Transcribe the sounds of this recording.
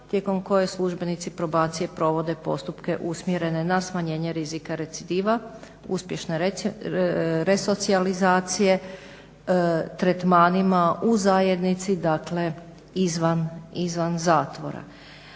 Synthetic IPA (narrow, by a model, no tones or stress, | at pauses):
t̪jeko̞mko̞je̞slˠuʒbe̞nit̪sipɾo̞baːt̪sije̞pɾo̞ʋo̞d̪e̞po̞̰st̪upke̞ʔusmjeɾe̞ne̞nasmaɲe̞ːɲeɾizikaɾe̞t̪sid̪iːʋa | uspje̞ʃneɾ | ɾe̞so̞t̪sializaːt̪sije̞ | t̪ɾet̪maːnimauzaje̞d̪nit̪sid̪akle̞ | izʋanizʋanzaːt̪ʋo̞̰ɾa̰